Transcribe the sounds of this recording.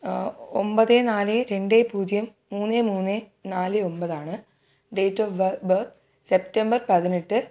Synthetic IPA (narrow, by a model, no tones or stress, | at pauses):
ombɐðenaːlɨɾe̞ɳɖepuːd͡ʑjɐmːuːnːemuːnːe | naːlɨo̞mbɐðaːɳɨ | ɖe̞jtːoʋbɐrt̪ʰ | septɐmbɐrpɐðiniʈːɨ